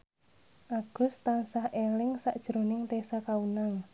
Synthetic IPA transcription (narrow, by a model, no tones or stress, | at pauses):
ʔaɡ̥ʊ̤st̪ansahʔelɪŋsaʔd̥ʒ̥ɾo̤nɪŋt̪esakaunaŋ